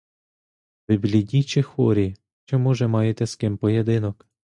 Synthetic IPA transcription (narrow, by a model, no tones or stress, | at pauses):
ʋɪbʲlʲidʲit͡ʃɪxʋɔɾʲi | t͡ʃɔmɔʒɛmɑjet̪ɛskɪmpɔjed̪ɪnɔk